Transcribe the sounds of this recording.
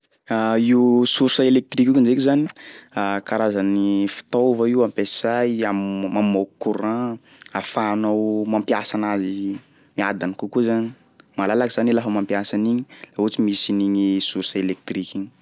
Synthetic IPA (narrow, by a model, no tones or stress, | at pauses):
aiwusuɾsəelek̚t̪rikʲukund͡ʒekuzani̥akaɾazanifi̥t̪owvaiwampesajammamowkuɾã | afaːnowmampjasanazi | miad̪anikukuzani̥ | malalakizanilafəmampjasaniɲilaut͡simisiniɲisursəelek̚t̪rikʲiɲi̥